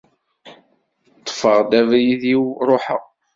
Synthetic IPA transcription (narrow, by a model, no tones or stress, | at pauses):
t̪ˤːfəʁd̪ævɾjiðjiwɾˤoħə